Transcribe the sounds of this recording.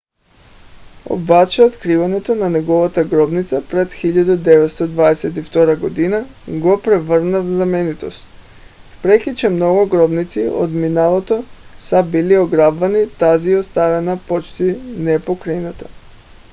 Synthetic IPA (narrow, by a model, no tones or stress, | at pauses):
o̰bat͡ʃɛot̪kɾivanɛt̪onanɛɡɔvat̪aɡɾɔbnit̪sapɾɛt̪xiʎad̪ad̪ɛvɛt̪st̪od̪vaɛsɛt̪ift̪ɔɾaɡod̪inaɡopɾɛvəɾnavzamɛnit̪o̰st̪̚ | fpɾɛkʲit͡ʃɛmnɔɡuɡɾɔbnit̪sio̰d̪minalˠot̪osabilioɡɾabvanit̪aziost̪avɛnapot͡ʃt̪inɛpokɾainat̪ḁ